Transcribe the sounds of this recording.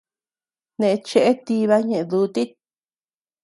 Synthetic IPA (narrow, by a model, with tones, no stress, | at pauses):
nẽ˧˨˧t͡ʃe˦ʔe˦t̪i˧βa˦ɲẽ˨ʔẽ˧ðu˧˦t̪i˦t̪̚